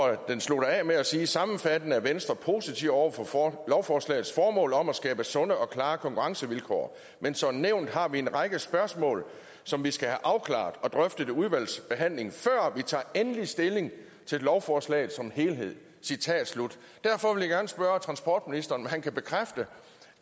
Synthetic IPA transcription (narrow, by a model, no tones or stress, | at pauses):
ɒd̥enslo̝ɾ̥ɐɛmeæsiːsɑ̈mn̩fæd̥ənəæɐʋensd̥ʁɐpʰo̝sit͡sʰiʊ̰ɒʊ̰ɐfɒlɒʊfɒːslɛ̰ːð̩ˠsfɒːmɔ̰̽ːlɒ̽mæsɡ̥ɛːb̥əsɔ̽nəʔɒ̽kʰlɑ̈ːkʰɒ̽ŋkʰuʁɑ̈ŋsəʋilkʰɒ̰ː | mensɒ̽neʊnd̥hɑ̈ʋie̝nʁɑ̈ɡ̥əsb̥ɶɐsmɔ̰̽ːl | sɒ̽mʋisɡ̥æhæʔɑ̈ʊkʰlɑ̰̈d̥ɒ̽d̥ʁœfd̥əde̝uðˠʋæl̰sb̥e̝ɦæn̰le̝ŋfɶɐ̰ʋit͡sʰɑ̰̈ːenəlisd̥e̝le̝ŋ | t͡sʰe̝llɒʊfɒːslɛ̰ːð̩ˠsɒ̽mhe̝ːlɦe̝ð̞̰ˠ | sit͡sʰɛ̰ːd̥slud̥ | d̥æɐ̰fɒ̽ʋe̝ljaɡ̥æɐnəsb̥ɶɐt͡sʰʁɑ̈nsb̥ɒ̰ːd̥minisd̥ɐːnæhænkʰæb̥e̝kʰʁafd̥ə